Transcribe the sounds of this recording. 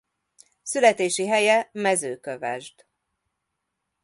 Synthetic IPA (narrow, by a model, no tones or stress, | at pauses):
sylɛt̪eːʃiɦɛjɛmɛzøːkøvɛ̰ʒd̪̥